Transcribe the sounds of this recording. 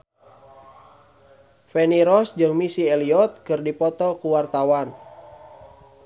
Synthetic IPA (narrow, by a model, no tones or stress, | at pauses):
fɛniɾɔsd͡ʒɨŋmisiɛliɔt̪̚kɨrdipɔt̪ɔkuwart̪awan